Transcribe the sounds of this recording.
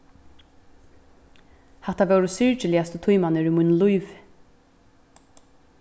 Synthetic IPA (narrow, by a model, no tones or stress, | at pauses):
hɛt̪avɛwɾʊsɪɹt͡ʃɪlɪast̪ʊt̪ʰujmanɪɾimʊjnlujv